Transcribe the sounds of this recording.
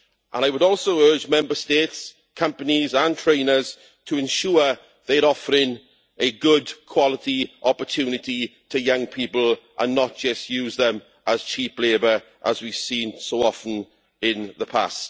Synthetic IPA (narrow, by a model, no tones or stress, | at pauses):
ʔə̰̃naɪwəɾɔˑlˠsoʊɜːd͡ʒmɛ̃mbəsteːts | kʰʌ̃mpənizə̃ntʰɹ̥ẽɪ̃nəz̥ | tʰəɪ̃nʃuə | ðeɪəɾɔfəɹɪ̃ŋ | əɡʊdkʰw̥ɒlɪtiʔɔpətʰjʉːnɪtitʰəjʌ̃ŋpʰipəlˠʔə̰̃nːət̚d̥ʒ̥ʌstjʉːzðə̃m | ʔəz̥t͡ʃʰiˑpleɪbə˞ | ʔəzwiv̥sĩːnsoʊɔfən̩ | ɪ̃nðəpʰa̰st